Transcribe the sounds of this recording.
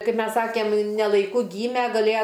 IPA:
ˈkɐɪp ˈmʲɛs ˈsɑːkʲeːm nʲɛ lˠɐɪˈkʊ ˈɡʲiːmʲɛ ɡɐˈlʲeːjɛ

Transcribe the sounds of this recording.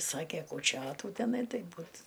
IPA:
ˈsɑːkʲɛ kuːˈt͡ʃʲoːtuː tʲɛˈnɐɪ ˈtɐɪ ˈbuːt

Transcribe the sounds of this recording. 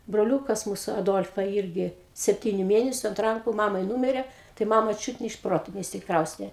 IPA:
broːˈlʲʊkɐs ˈmuːsʊ ɐˈdoːlˠfɐ ˈɪrʲɡʲɪ sʲɛpʲˈtʲiːnʲʊ ˈmʲeːnʲɛsʲʊ ɐnt ˈrɐŋkʊ ˈmɑːmɐɪ ˈnuːmʲɪrʲɛ tɐɪ ˈmɑːmɐ ˈt͡ʃʲuːt nʲɛ ɪʃ ˈproːtoː nʲɛɪʃʲsʲɪkˈrɐʊsʲtʲeː

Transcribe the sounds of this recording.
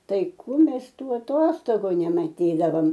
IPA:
ˈtɐɪ ˈkuː ˈmʲɛs ˈtuː ɐˈtoːstoːɡʊ nʲɛmɐˈtʲiːdɐʋoːm

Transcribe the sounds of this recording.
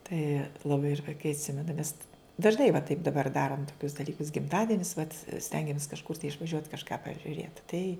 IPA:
tɐɪ lˠɐˈbɐɪ ɪr ʋɐɪˈkɐɪ ɐtʲˈsʲɪmʲɛnɐ nʲɛs dɐʒˈnɐɪ ʋɐ tɐɪp dɐˈbɐr ˈdɑːroːm toːˈkʲʊs dɐˈlʲiːkʊs ɡʲɪmˈtɑːdʲiɛnʲɪs ʋɐt ˈsʲtʲɛŋʲɡʲɛmʲeːs kɐʃˈkʊr tɐɪ ɪʃʋɐˈʒʲuɔt kɐʃˈkɑː pɐʒʲʊˈrʲeːt tɐɪ

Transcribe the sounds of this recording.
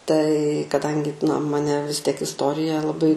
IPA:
tɐɪ kɐˈdɐŋʲɡʲɪ nɐ mɐˈnʲɛ ʋʲɪs tʲiɛk ɪsˈtoːrʲɪjɛ lˠɐˈbɐɪ

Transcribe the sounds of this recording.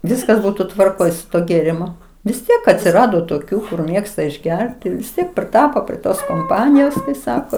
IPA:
ˈʋʲɪskɐs ˈbuːtʊ tʋɐrˈkoːj sʊ ˈtuɔ ɡʲeːrʲɪˈmʊ ʋʲɪs ˈtʲiɛk ɐtʲsʲɪˈrɑːdoː toːˈkʲuː kʊr ˈmʲeːkstɐ ɪʒʲˈɡʲɛrʲtʲɪ ʋʲɪs ˈtʲiɛk pʲrʲɪˈtɑːpoː pʲrʲiɛ ˈtoːs koːmˈpɑːnʲɪjoːs ˈsɑːkoː

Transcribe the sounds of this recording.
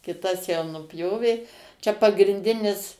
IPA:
kʲɪˈtɐs jɛʊ nʊˈpʲjoːʋʲeː t͡ʃʲɛ pɐɡrʲɪnʲˈdʲɪnʲɪs

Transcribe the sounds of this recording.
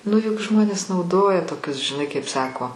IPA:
nʊ jʊk ˈʒmoːnʲeːs nɐʊˈdoːjɛ toːˈkʲʊs ʒʲɪˈnɐɪ kɐɪp ˈsɑːkoː

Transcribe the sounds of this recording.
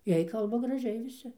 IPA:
ˈjiɛj ˈkɐlˠbɐ ɡrɐˈʒʲɛɪ ʋʲɪˈsʲɪ

